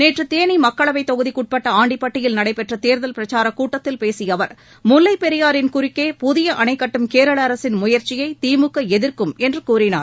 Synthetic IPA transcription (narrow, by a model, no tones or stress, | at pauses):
neːʈrɯt̪eːnimɐkːɐɭɐʋɐɪt̪ːɔɣɯðikʊʈ̚pɐʈːɐaːɳɖipːɐʈːɪjɪlnɐɽɐɪpɛʈrɐt̪eːɾðɐlpɪɾɐt͡ʃaːɾɐkuːʈːɐt̪ːɪlpeːsɪjɐʋɐɾ | mʊlːɐɪpɛɾɪjaːɾɪnkʊɾɪkːeːpʊðɪjɐʔɐnɐɪkːɐʈːɯmkeːɾɐɭɐːɾɐsɪnmʊjɐɾt͡ʃɪjɐɪt̪iːmɯkːɐɛðɪɾkɯmɛndrɯkuːɾɪna̰ːɾ